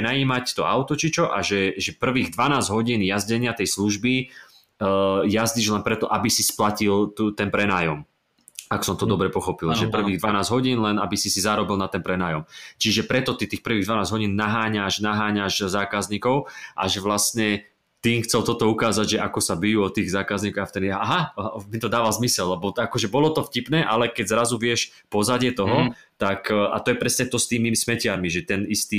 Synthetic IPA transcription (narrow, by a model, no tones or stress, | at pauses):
najiːmact̪ɔaʊt̪ɔt͡ʃit͡ʃɔʔaʒɛʒɛpr̩ʋiːɣd̪ʋanaːzɟɦɔɟiːnjazɟɛɲɪat̪ɛjsluʒbi | jazɟiʒlɛnpɾɛt̪ɔʔabisisplacilt̪ut̪ɛnpɾɛnaːjɔm | aksɔmt̪ɔd̪ɔbɾɛpɔxɔpilʒʒɛpr̩ʋiːɣd̪ʋanaːzɦɔɟiːnlɛnabisisizaːɾɔbilˠnat̪ɛnpɾɛnaːjɔmt͡ʃiʒɛpɾɛt̪ɔt̪it̪iːxpr̩ʋiːɣd̪ʋanaːzɦɔɟiːnːaɦaːɲaʒnaɦaːɲaʒzaːkazɲikɔʊʔa̰ʒɛʋlastɲɛ | t̪iːmxt͡sɛlt̪ɔt̪ɔukaːzaɟʒɛʔakɔsabijuɔt̪iːɣzaːkazɲikɔɣaft̪ɛniaɦamit̪ɔd̪aːʋalzmisɛllɛbɔakɔʒɛbɔlɔt̪ɔfcipnɛːʔalɛkɛɟzɾazuʋɪɛʃ | pɔzaɟɪɛt̪ɔɦɔ | t̪akːa̰t̪ɔjɛpɾɛsɲɛt̪ɔst̪iːmismɛcɪaɾmiʒɛt̪ɛnist̪i